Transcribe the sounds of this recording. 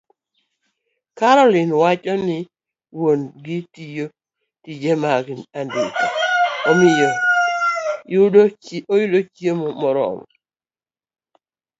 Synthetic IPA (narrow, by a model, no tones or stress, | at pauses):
kaɾɔlɪnwat͡ʃɔnɪ | wonɡɪtijo | tid͡ʒemaɡinanditiomɪjɔ | ojudot͡ʃjemɔmɔɾɔ̰mɔ